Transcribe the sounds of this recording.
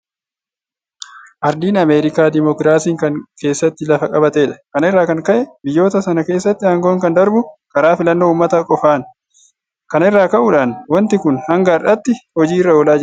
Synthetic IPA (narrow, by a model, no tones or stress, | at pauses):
ʔɐɾd̪iːnɐmeːɾɪkaːd̪ɪmɔkɾaːsiːŋkɐŋke̞ːsːɐt̪ːɪlɐfɐkʼɐbɐt̪eːᶑɐ̥kɐnɪrːaːkɐŋkɐʔɛbɪjːo̞ːt̪ɐsɐnɐke̞ːsːɐt̪ːɪhɐːŋɡo̞ːŋkɐnd̪ɐɾbʊkɐɾaːfɪlɐnːo̞ːʊːmːɐt̪ɐkʼɔfaːn | kɐnɪrːaːkɐʔʊᶑaːnwɐnt̪ɪkʊnhɐŋɡarɐt̪ːɪhɔd͡ʒiːɪrːɐɔlaːd͡ʒ